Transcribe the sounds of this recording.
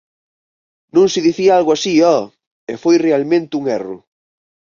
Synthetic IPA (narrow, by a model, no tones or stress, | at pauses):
nõŋsɪðiθiaalɣoasiɔ | efojrealmẽnt̪ɪuŋɛrʊ̰